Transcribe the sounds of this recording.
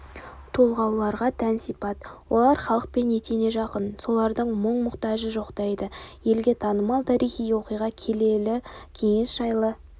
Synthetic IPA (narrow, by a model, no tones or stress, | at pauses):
t̪ʰo̞lˠʁɑwlˠɑɾʁɑt̪ʰænsipɑt̪wo̞lˠɑɾχɑlˠəq̚pe̞net̪ene̞ʒɑqənso̞lˠɑɾd̪əɴməɴmʊqt̪ɑʒəʒo̞qt̪ɑjd̪əje̞lɡʲe̞t̪ʰɑnəmɑlˠt̪ʰɑɾijχijwo̞qijʁɑkʲʰelelɪkʲʰe̞ŋe̞sʒ̥ɑjlˠə